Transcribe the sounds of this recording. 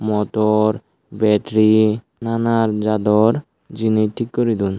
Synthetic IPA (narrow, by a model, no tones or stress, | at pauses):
mɔt̪ɔɾ | bɛʈɾi | nanaɾd͡ʒad̪ɔɾ | d͡ʑiniʈʰikːɔɾid̪un